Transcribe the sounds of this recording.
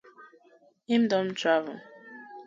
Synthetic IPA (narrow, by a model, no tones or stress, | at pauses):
ĩmdɔ̃mtʰɹavə